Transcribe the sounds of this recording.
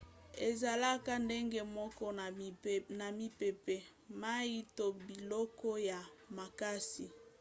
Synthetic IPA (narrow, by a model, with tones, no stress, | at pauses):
e˨za˨la˦ka˦nde˦ŋɡe˦mɔ˦kɔ˦˨na˨mi˨pe˨pe˨ | ma˦i˦to˦bi˨lɔ˦kɔ˦ja˨ma˨ka˦si˨